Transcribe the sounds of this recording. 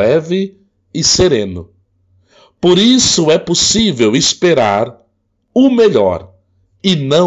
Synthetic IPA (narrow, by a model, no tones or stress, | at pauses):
ɛvɪ | ɪseɾẽnʊ | poɾisʊɛposivewɪspeɾaɾ | ʊmeʎɔ̰ɾ | ɪnɐ̃